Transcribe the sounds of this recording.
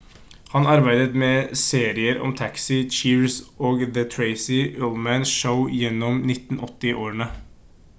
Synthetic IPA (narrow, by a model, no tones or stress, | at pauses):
hɑnɑɾbæɪd̪ət̪mɛseːɾɪəɾɔ̰mt̪ʰæksɪt͡ʃiːɹsʔoːɡðət̪ʰɹeɪsɪʔoːlmænʃəʊjɛnːɔmnɪt̪ːn̩ʔɔt̪ːɪʔoːɾənə